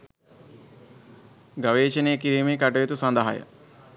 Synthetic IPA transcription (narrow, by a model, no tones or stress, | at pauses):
ɡɐʋeːt͡ʃɐneːkiɾiːmekaʈɐjet̪usɐnd̪ɐɦa̰jə̰